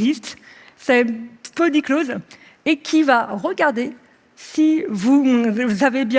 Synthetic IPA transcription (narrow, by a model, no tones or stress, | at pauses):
zist̪ | sɛpød̪ikloz | ekʲʰivaʁəɡaʁd̪e | sivuzavebjɛ̃